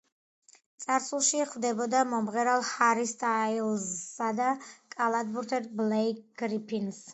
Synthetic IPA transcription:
t̪sʼaɾsulˠʃiχvd̪ɛbɔd̪amɔmʁɛɾalˠhaɾist̪ʰʼailˠzad̪akʼalˠad̪̚buɾt̪ʰɛt̪̚blɛkɡ̥ɾipʰins

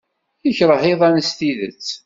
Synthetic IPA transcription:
jəçɾˤəhɪðˤɑnəst̪iðə̰t͡sː

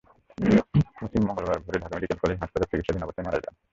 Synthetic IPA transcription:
mosimːɔŋɡolbaɾbʱoɾeɖʱakameɖikelkɔled͡ʑɦaʃpat̪aɾpɾikit̪ʃad̪ʱinapot̪ːemaɾa̰d͡ʑa̰n

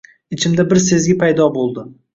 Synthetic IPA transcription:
ɪt͡ʃʰɪmd̪abɪɾse̞zɡʲɪpʰajd̪ɒbolˠd̪ɪ

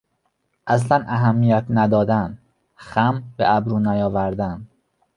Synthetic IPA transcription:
ʔæs̬lænʔæɦæmːijæt̪ʰnæd̪ɒːd̪æn | xæmbḛʔæbɾuːnæjɒːvæɾd̪æn

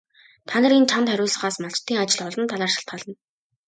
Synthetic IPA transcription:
t̪ʰanə̆rint͡ɕʰant̪χæɾʲʊːɮə̆χaːsmaɬt͡ɕt̪ʰːiːŋat͡ɕɪ̆ɮɔɮɞ̆nt̪ʰːaɮaːrʃḁɬt̪̚ɢaːɮə̆n

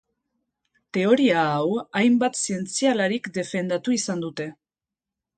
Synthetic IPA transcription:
t̪e̞o̞ɾiaːwajmbat̪sie̞nt͡sialaɾikd̪e̞fe̞nd̪at̪uisand̪ut̪e̞

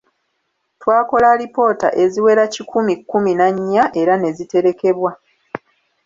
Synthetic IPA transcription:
twaːko̞laɾipo̞ːta̰ʔe̞ziwe̞ɾacikʰumikːuminaɲːaʔe̞ɾane̞zite̞ɾe̞ke̞βwa

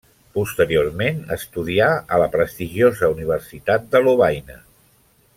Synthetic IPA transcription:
pust̪əɾioɾmenə̰st̪uðiaələpɾəst̪iʒiozəuniβ̞ərsit̪at̪̚d̪əluβajnə

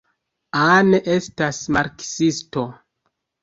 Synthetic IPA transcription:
aneʔe̞stasmaɾksisto̞

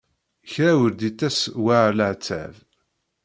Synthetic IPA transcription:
çɾæwəɾd̪it̪ːæswaʕɾlʕt͡sːæ̰v

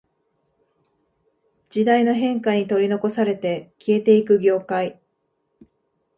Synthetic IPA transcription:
d͡ʑid̪aino̞ɦẽ̞ŋkaɲ̟it̪o̞ɾʲino̞ko̞saɾe̞t̪e̞kʲie̞t̪e̞ikɯ̟ɡʲo̞ːkai

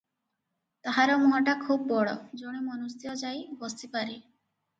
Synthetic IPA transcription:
t̪aɦaɾɔmuɦɔʈakʰubːɔɭɔ̰d͡ʒoɽ̃imɔnust̪iɔd͡ʒajbɔst̪ipaɾi

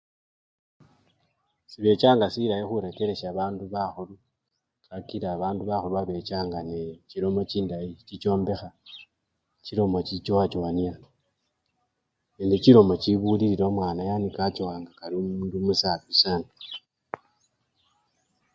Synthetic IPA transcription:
siβe̞t͡ʃaːŋɡasiɾajexuɾeke̞ɾe̞ʃaːβaːnduβaxulu | kakiɾaːβaːnduβaxuluβaβe̞t͡ʃaːŋɡaneciɾo̞mo̞ciːndajicit͡ʃo̞ːmbe̞xa | ciɾo̞mo̞t͡ʃit͡ʃowat͡ʃoania | neːndeciɾo̞mo̞ciβuliɾiɾo̞mwaːnajanikat͡ʃowaːŋɡakaɾiomuːndumusapisanu

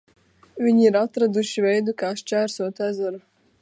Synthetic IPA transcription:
vʲiɲiːɾat̪ɾad̪uʃivɛjd̪ukaːʃt͡ʃæːɾsuɔt̪æzaɾu

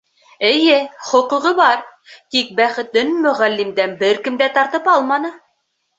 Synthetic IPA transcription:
ɘ̆jɘχŏqŭʁɤβɑɾt̪ik̚bæχɘ̆t̪ɘnmɵ̆ʁælːimd̪ænbɘɾkɘ̆md̪æt̪ɑɾt̪ɤpɑlˠmɑnɤ

